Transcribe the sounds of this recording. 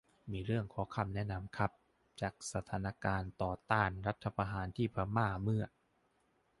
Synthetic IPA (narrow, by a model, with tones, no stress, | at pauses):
miː˧ɾɯ˥˩əŋkʰɔː˩˦kʰa˧mnɛ˦˥na˧mkʰa˦˥p̚ | t͡ɕaː˨˩k̚sa˧˩t̪ʰaː˩˦na˦˥kaː˧nt̪ɔː˨˩t̪aː˥˩nɾa˦˥t̪ʰːa˧pʰa˧ɦaː˩˦nt̪ʰiː˥˩pʰɾa˧˥maː˥˩mɯ˥˩ɐ